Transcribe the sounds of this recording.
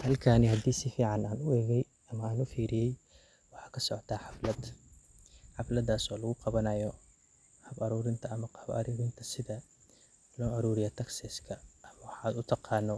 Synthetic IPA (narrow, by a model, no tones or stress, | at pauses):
hɐlkʰaːnɪɦɐd̪iːsɪfiːʕɑnaːnʊɛːɣɛj | ɐmɐaːnʊfiːɾɪjɛj | wɑħɑːkʰɐsɔʕɔt̪ʰaːħɑflɐd̪ | ħɑflɐd̪aːsɔːlɐɣʊqɑβɐnɐjɔ | hɐbɐɾuːɾɪnt̪ʰɐɐmɐhɐbɐ̰ɾuːɾɪnt̪ʰɐsɪðɐ | lɔːʔɐɾuːɾɪjɐːt̪ʰɐksɛskʰɐʔɐmɐwɑħaːd̪ʊt̪ʰɑqɑːnːɔ